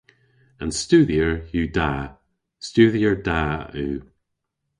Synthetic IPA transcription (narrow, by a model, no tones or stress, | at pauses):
ãnstʉːðiəɹjʉːda | stʉðiəɹdaːʉː